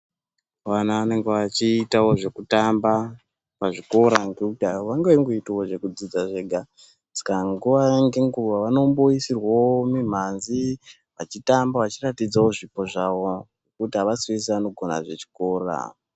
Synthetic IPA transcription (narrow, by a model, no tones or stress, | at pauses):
ʋanaʋane̞ŋɡeʋat͡ʃiːtawo̞ʐe̞kutamba | paʐiko̞ɾaŋɡeutawaŋɡewiŋɡoitaoʐe̞kud͡zid͡zaʐe̞ɡʱa | d͡zi̥kaŋɡuʋaŋɡeŋɡuʋaʋano̞mboisirwaomim̤anzi | ʋat͡ʃitambaʋat͡ʃiratid͡zawo̞ʐipo̞ʐawo̞nekutiɦaʋasiwis̬iʋano̞ɡʱo̞na̰ʐe̞t͡ʃi̥ko̞ːra̰